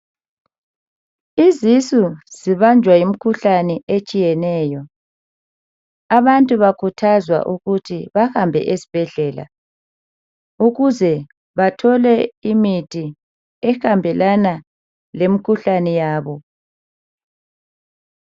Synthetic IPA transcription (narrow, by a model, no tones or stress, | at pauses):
izisuz̥iβand͡ʒʱwajim̩kʰuɬanɛet͡ʃʼijɛnɛːjɔ | aβantʼuβakʰutʰazwa̰ʔuɣutʰiβahambʱɛ̰ʔesi̥b̥ʱɛɮɛːla̰ | uɣuzɛ | βatʰɔlɛimitʰʼi | ɛxambʱɛlana | lemikʰuɬanɛjaːβɔ